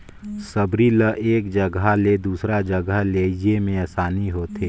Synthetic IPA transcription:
səbɾiləʔeːkd͡ʒɐɡaled̪uːsɾad͡ʒɐɡəɦleːd͡ʒemẽɐːsaːniɦoːt̪ʰeː

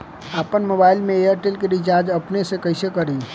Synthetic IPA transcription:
apənmobailmeejəɾʈelkeɾit͡ʃaɾd͡ʒəpnesẽkəjsekəɾi

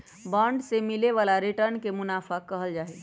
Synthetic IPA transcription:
bãɳɖsemileʋalaɾiʈəɾnkemʊnaːfʰakəɦəld͡ʒaːɦɛ

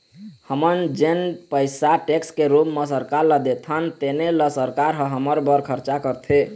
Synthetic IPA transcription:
həmənd͡ʒenpəɪsaʈekskeɾupmesəɾkaɾləd̪et̪ʰənt̪eneləsəɾkaɾɦə̃ɦəməɾbəɾkʰəɾt͡ʃakəɾt̪ʰe

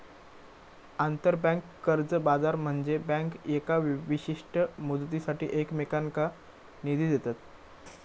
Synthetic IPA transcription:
ant̪əɾbɛ̃ŋkːəɾd͡zəbad͡zaɾm̤əɳd͡zebɛ̃ŋkjekaʋiɕiʂʈəmud̪t̪isaʈḭːʔekmekaŋka | nid̪ʱid̪et̪at̪

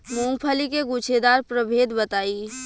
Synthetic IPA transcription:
mũŋpʰəlikeɡut͡ʃʰed̪aɾpɾəbʱed̪bət̪ai

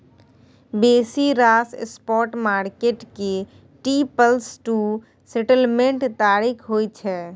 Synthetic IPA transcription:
beːsiɾaːsspɔːɾʈmaːɾkeʈke | ʈipəlsʈu | sɛʈəlmẽɳʈt̪aːɾikʰɦoːit͡ʃʰɛː

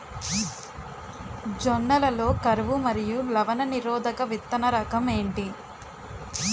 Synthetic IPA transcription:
d͡ʒɔnːɐlɐlo̞ːkɐɾɐʋumɐɾijulɐʋɐnɐniɾɔːd̪ɐkɐʋit̪ːɐnɐɾɐkɐme̞ːɳʈi

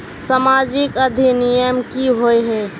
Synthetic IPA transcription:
samaːd͡ʒɪkəd̪ʱinijəmkiɦoeɦɛː

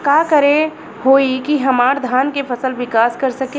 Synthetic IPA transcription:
kaːkəɾe | hoːikiɦɐmaːɾd̪ʱaːnkefʰɐsəlʋɪkaːskɐɾsɐke

